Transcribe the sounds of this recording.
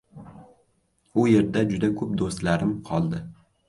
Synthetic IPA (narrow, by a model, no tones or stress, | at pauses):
ʊje̞ɾd̪ad͡ʒʊd̪akʰɵp̚d̪ost̪laɾɪmqʰɒlˠd̪ɪ